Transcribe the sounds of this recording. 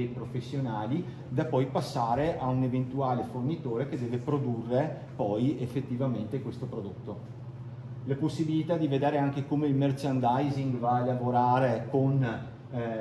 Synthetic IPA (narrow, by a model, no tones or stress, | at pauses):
epɾofesːjonaːli | d̪apɔjpasːaːɾeʔaunevent̪uaːlefornit̪oːɾeked̪ɛːvepɾod̪urːe | pɔjefːet̪ːivament̪ekwest̪opɾod̪ot̪ːo | laposːibilit̪ad̪ived̪eːɾeaŋkekomeilmert͡ʃand̪ajziŋɡvaelavoɾaːɾekon